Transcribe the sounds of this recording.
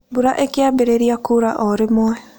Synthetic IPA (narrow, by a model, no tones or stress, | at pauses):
buɾaʔekeabeɾeɾiakuɾaʔɔɾɪmwɛ